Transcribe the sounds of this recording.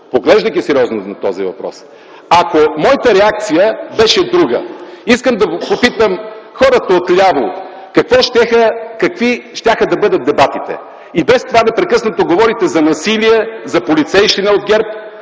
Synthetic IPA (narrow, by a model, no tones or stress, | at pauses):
poɡlɛʒd̪əjkʲisɛɾʲiɔznonɐt̪ɔzḭvɐ̰pɾɔ̰s | ɐkomɔjət̪əɾɛak̚t̪sijəbɛʃɛd̪ɾuɡə̰iskəmd̪ɐpopit̪əmxɔɾət̪ɐot̪lʲavˠo | kɐkvɔʃt̪ʲɛxəkɐkviʃt̪ʲaxəd̪ɐbɤd̪ɐt̪̚d̪ɛbat̪it̪ɛ̰ | ibɛst̪ovanɛpɾɛkɤsnɐt̪oɡovɔɾit̪ɛzɐnɐsiliɛzɐpolit̪sɛjʃt̪inɛod̪ɡʲɛɾp